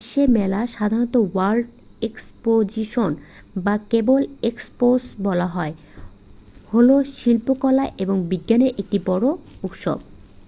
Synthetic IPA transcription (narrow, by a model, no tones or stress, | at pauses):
ʃemɛlaʃad̪ʱaɾot̪owalɖ | ekspod͡ʑiʃon | bakeboleksposbɔlaɦɔe | holoʃilpokɔlaʔeboŋbiɡːaneɾʔek̚ʈibɔɽout̪ʃo̰b